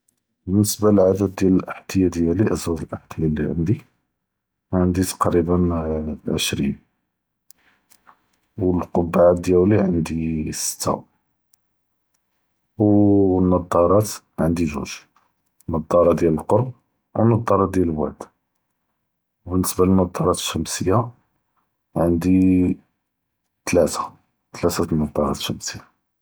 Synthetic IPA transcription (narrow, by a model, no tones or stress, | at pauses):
bənːəsbaləlʕad̪æd̪̚ːjæləlʔəħt̪əjæd̪jæliʔəswæt̪əlʔəħq̪jilːḭʕə̰nd̪i | ʕənd̪it̪ɑ̥qɾibənʕəʃɾḭn | wəlqobːaʕat̪̚d̪jælliʕənd̪isə̥t̪ːa̰w | wnːɑd̪ˤːɑɾˤɑt̪ | ʕənd̪iʒṵʒ | nːɑd̪ˤːɑɾˤɑd̪jæləlqoɾˤb̚ | wənːɑd̪ˤːɑɾˤɑt̪d̪jællwaʕd̪ | bənːəsbalənːɑd̪ˤːɑɾˤɑt̪əʃːəmsəjːa | ʕənd̪i | t̪læt̪ḁ | t̪læt̪æt̪nːɑd̪ˤːɑɾˤɑ̰t̪ʃəmsəjːa